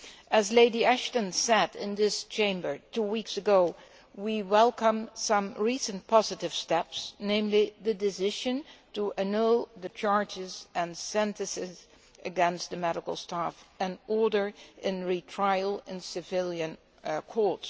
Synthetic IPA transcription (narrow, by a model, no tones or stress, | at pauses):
ʔɨzleɪdiæʃtə̃nsɛdɪ̃nðɪst͡ʃʰẽɪ̃mbə˞tʰuwiksɨɡoʊ | wiwɛlˠkə̃msʌ̃mɹisɨ̃npʰɑzɨɾɨv̥stɛpsnẽɪ̃mliðɨdɨzɪʒɨ̃ntəʔɨnulˠðɨt͡ʃɑɹd͡ʒɪzɨ̃nsɛ̃ntɨsɪz | ɨɡɛ̃nst̪̚ðɨmɛɾəkl̩ˠstafɨ̃nɔɹɾə˞ʔɪ̃nɹitʰɹ̥aɪlˠɪ̃nsɨvɪlˠjɨ̃n | kʰɔɹts